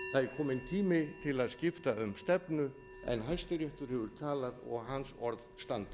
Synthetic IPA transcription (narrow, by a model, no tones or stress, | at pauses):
θaðkʰɔːmɪnt̪ʰiːmɪt̪ʰɪlaðscɪft̪aʏmst̪ɛpnʏ | ɛ̰nɦajst̪ɪɾjɛht̪ʏɾ̥hɛvʏɾ̥t̪ʰaːlaðɔ̰ɣɦansɔɾðst̪ant̪